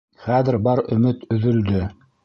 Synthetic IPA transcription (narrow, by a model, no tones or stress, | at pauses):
χæðɘɾbɑɾɵ̆mɘt̪ɵ̆ðɵ̆ld̪ɵ